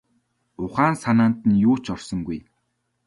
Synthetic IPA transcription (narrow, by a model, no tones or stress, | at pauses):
ʊχaːnsanaːn̥t̪ɘ̆njuːt͡ɕɔrsɞ̆ŋɡuj